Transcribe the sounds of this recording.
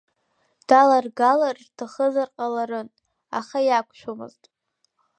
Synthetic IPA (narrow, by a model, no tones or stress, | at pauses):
d̥alarɡalarrtʰaχəzarqʼalaɾɨn | a̰χajakʷʰʼʃʷᶣomɨ̰ztʼ